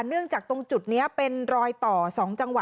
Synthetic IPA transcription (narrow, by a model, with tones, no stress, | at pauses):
nɯ˥˩əŋt͡ɕaː˨˩k̚t̪o˧ŋt͡ɕu˨˩t̪̚ni˦˥ɐpe˧nɾɔː˧jt̪ɔː˨˩sɔː˩˦ŋt͡ɕa˧ŋwa˨˩